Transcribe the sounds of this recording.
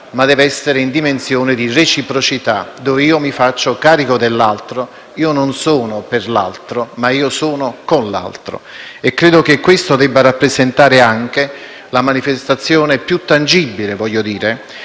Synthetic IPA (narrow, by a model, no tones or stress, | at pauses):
mad̪ɛːveɛsːeɾeind̪imensjɔːnɪd̪iret͡ʃipɾot͡ʃit̪ad̪ɔːveiːomifat͡ʃːokaːɾikod̪elːalt̪ɾo | iːononsɔːnoperla̰lt̪ɾomaiːosɔːnokonla̰lt̪ɾo̰ | ɛkːɾeːd̪ok̟ekːwest̪od̪ɛbːarapːɾezent̪aːɾeaŋk̟e | lamanifest̪at̪sːjɔːnepjut̪ːand͡ʒibːilevɔʎːod̪iːɾe